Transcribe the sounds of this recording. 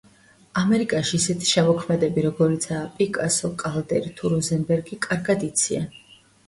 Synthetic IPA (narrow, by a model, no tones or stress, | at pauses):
amɛɾikʼaʃiːsɛt̪ʰi̥ʃɛmɔkʰmɛd̪ɛbiɾɔɡɔɾit̪sʰaːpʼikʼasɔkʼald̪ɛ̰ɾit̪ʰuɾɔzɛnbɛɾɡikʼaɾɡad̪it̪sʰia